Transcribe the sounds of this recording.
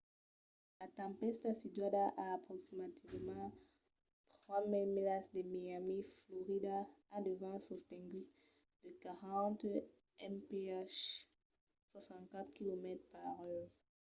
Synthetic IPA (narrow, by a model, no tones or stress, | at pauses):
lat̪ɑ̃pɛst̪asid̪wad̪aʔaːpχɔksimat̪ivmɑ̃ | t̪χwamilmilasd̪əmiamiflɔʁid̪aːd̪əvãsɔst̪ɛ̃ŋɡy | d̪̥əkaʁɑ̃t̪ | ɛmpeaʃ | swasɑ̃ntkat̪χkilomɛt̪χpaʁø